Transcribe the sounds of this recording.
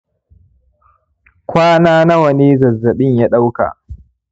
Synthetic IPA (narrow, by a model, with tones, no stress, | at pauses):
kʷaː˦naː˦na˦wɐ˨ne˦zɐ˨zːɐ˨ɗɪ˦ɲjaː˦ɗa˦wka̰˨ʔ